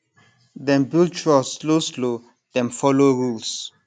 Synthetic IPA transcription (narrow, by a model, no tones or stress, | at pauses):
dɛ̃mbilt͡ʃualsloslo | dɛ̃mfɔloɹuls